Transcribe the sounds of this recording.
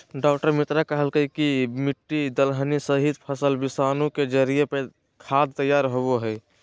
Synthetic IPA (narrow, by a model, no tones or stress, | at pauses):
ɖɔːkʈəɾmit̪ɾakəɦəlkəikimiʈːid̪əlɦənisəɦid̪pʰəsəlbisaːnũked͡ʒəɾiepe | kʰad̪̚t̪əjaːɾɦoboɦɛɪ